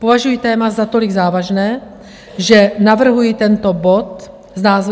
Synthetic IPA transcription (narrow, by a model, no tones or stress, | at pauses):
povaʒujit̪ɛːmazat̪oliɡzaːvaʒnɛː | ʒɛnavr̩ɦujit̪ɛnt̪obot̪ | znaːzv